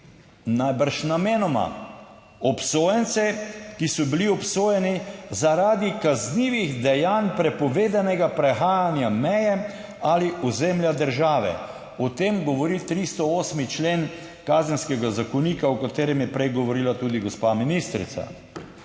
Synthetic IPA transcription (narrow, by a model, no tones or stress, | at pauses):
najbaɾʃnameːnɔma̰ | ɔpsoːjɛnt̪sɛkisɔbiliɔpsoːjɛnizaɾaːd̪ikazniːʋiɣd̪ɛjaːnpɾɛpɔʋeːd̪anɛɡapɾɛxaːjanjamɛjɛ | aliʔɔzɛmljad̪əɾʒaːʋɛ̰ | ɔt̪eːmɡɔʋɔɾit̪ɾist̪ɔoːsmit͡ʃleːn | kazɛnskɛɡazakɔniːkaɔkat̪eːɾɛmjɛpɾɛjɡɔʋɔɾiːlat̪uːd̪iɡɔspaminist̪ɾḭt̪sa̰